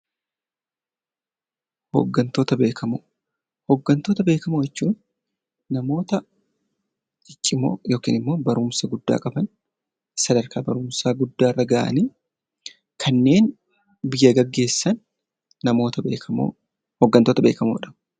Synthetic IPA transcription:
ho̰ɡːɐnt̪o̞ːt̪ɐbeːkʰɐmoː | hɔɡːɐnt̪o̞ːt̪ɐbe̞ːkɐmojɛt͡ʃːuːnː | ɐmo̞ːt̪ɐ | ɪt͡ʃʼːɪmo̰ːjo̞ːkḭːnɪmːo̞ːbɐɾʊmsɐɡʊd̪ːa̰ːkʼɐbɐn | sɐd̪ɐɾkaːbɐɾʊmsaːɡʊd̪ːaːɪrːɐɡɐːʔɐ̰niː | kʰɐnːe̞ːn | bɪjːɐɡɐɡːe̞ːsːɐnː | ɐmo̞ːt̪ɐbḛːkɐmo̰ | hɔɡːɐnt̪o̞ːt̪ɐbe̞ːkɐmoːᶑɐ

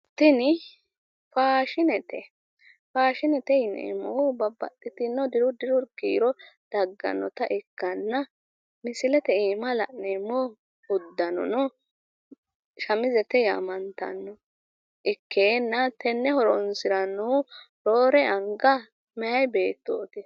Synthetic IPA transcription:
t̪ɪnɪ | faːʃɪnɛt̪ɛ | faːʃɪnɛt̪ɛɪnɛ̰ɪ̰mɔʊbɐbːɐ̰t̪ʼːɪt̪ɪnːɔd̪ɪɾʊd̪ɪɾʊɾkiːɾɔd̪̥ɐɡːɐ̰nːɔt̪ɐʔɪkːɐnːɐ | mɪsɪlɛt̪ɛiːmɐlɐ̰ʔnemːɔ | hʊd̪ːɐnɔ̰nɔ | ʃɐmɪzɛt̪ɛja̰ːmɐnt̪ɐ̰nːɔ | ʔɪkʰːeːnːɐt̪ɛnːɛhɔɾɔnsɪɾɐnːu | ɾoːɾɛɐŋɡɐ | mɛjɐjbeːt̪ːoːt̪ɪ

